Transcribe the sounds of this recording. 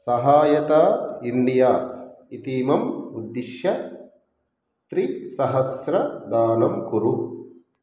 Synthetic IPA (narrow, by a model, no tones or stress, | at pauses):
sɐɦaːjɐt̪aːiɳɖijaːit̪iːmɐmud̪ːiʃjɐ | t̪ɾisɐɦɐsɾɐd̪aːnɐmkuɾu